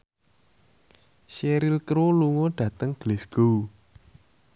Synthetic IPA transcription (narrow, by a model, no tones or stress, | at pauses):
ʃeɾilkɾoluŋoɖ̥ä̤t̪əŋɡ̥lesɡ̥ou